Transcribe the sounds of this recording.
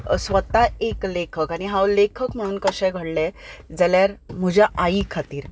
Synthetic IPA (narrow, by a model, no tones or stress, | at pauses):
sʋət̪aeklekʰəkaɽ̃iɦãwlekʰəkm̤əɽ̃uːnkəɕɛ̃ɡʱəɽlɛd͡zəljaɾm̤əd͡ʑʱaʔaikʰat̪iːɾ